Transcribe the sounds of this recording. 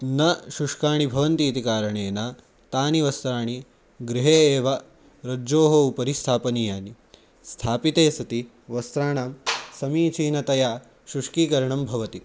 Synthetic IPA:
nɐʃuʂkaːɳibʱɐʋɐnt̪iːt̪ikaːɾɐɳeːna | t̪aːniʋɐst̪ɾaːɳ̃i | ɡɾiɦeːeːʋɐ | ɾɐd͡ʒoːɦoupɐɾist̪ʰaːpɐnijaːni | st̪ʰaːpit̪eːsɐt̪i | ʋɐst̪ɾaːɳaːmsɐmiːt͡ʃiːnɐt̪ɐjaː | ʃuʂkiːkɐɾɐɳɐmbʱɐʋɐt̪i

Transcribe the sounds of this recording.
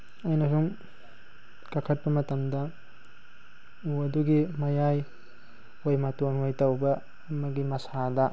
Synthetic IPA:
ɐjnɐsum | kɐkʰɐt̚bɐmɐtɐmdɐ | uɐduɡimɐjaj | ojmatonojtɐwbɐː | mɐɡimɐsadɐ

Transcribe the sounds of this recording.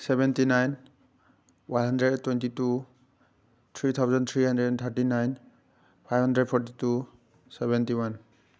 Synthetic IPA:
sɛbɛntinajn | wanɦandɹɛdtːwɛntitu | t̪ʰɹit̪ʰawzɔnt̪ʰɹiɦandɛdt̪ʰaɹtinajn | pʰajbɦãndɹɛd̚pʰɔɹtitu | sɛbɛntiwan

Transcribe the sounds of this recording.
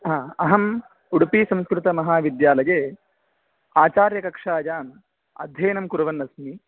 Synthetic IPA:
ɦaːɐɦɐm | uɽpiːsɐ̃mskɾut̪ɐmɐɦaːʋid̪jaːlɐjeː | aːt͡ʃaːɾjɐkɐkʂaːd͡ʒaːm | ɐ̰d̪ʱjeːnɐmkuɾɐʋɐnːɐsmi

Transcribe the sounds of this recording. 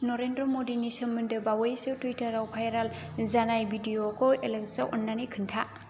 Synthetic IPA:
nɔɾendɾɔmodinisɯmːɯndɯbawɔjsɯtujtʰɐɾawpʰajɾalzanajbʱidiokoelek̚zawʔɔnːanikʰɯntʰa

